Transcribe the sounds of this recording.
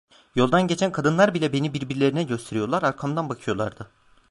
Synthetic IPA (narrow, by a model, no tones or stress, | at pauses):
jo̞lˠd̪anɟe̞t͡ʃʰænkʰad̪ɯnlˠaɾbilʲɛbe̞nibiɾbiɾlʲe̞ɾinɛɟø̞st̪ʰe̞ɾijo̞ɾlˠaɾaɾkʰamd̪anbakʰɯjo̞lˠa̰ɾd̪ɯ